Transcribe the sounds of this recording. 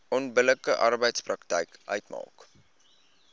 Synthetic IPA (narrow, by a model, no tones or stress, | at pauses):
ɔnbələkəʔɐrbəjtsprɐktɛ̰jkʔœɥtmɑ̰ːk